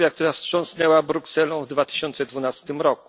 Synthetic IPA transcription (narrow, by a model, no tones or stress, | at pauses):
jakt̪uɾafsʂɔ̃ñsnɛwabɾuksɛlɔ̃vd̪vat̪ɘ̥ɕɔnt̪sɛd̪vunast̪ɘmɾɔku̥